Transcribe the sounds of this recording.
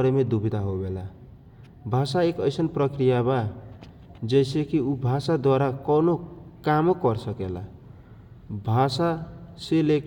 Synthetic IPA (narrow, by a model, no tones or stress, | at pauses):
ɾemed̪ubʱid̪aɦobela | bʱasaekʌjsʌnprʌkrijaba | d͡zʌjsekiubʱasad̪waɾakʌnokamokʌrsʌkela̰ | bʱasaselek